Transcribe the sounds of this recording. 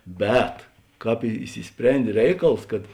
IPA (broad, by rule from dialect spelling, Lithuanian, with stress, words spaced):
ˈbʲɛt ˈkɑːp ɪ ɪʃʲsʲɪˈsʲpʲrʲɛnʲdʲeː ˈrʲɛɪkɐlˠs kɐt